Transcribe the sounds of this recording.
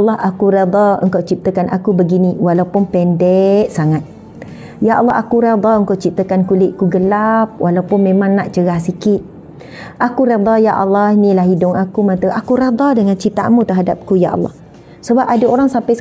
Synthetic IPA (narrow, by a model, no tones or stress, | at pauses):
lːɑɦakuɾed̪ɑə̰ŋkawt͡ʃip̚t̪əkanʔakubəɡiniwalawpʊnpɛndɛʔsaŋat̪̚ | jaʔɑlːɑɦakuɾed̪ɑəŋkawt͡ʃip̚t̪əkankulɪʔkuɡəlap̚wʔalawpʊnmẽmãŋnaʔt͡ʃəɣahsikɪt̪̚ | ʔakuɾed̪ˤɑjaʔɑlːɑhnilaɦidʊŋakumãnt̪əʔakuɾed̪ɑdəŋant͡ʃit̪a̰ʔmut̪əɦadap̚kuja̰ʔɑ̰lːɑ̰h | səbap̚adaoɾaŋsampaj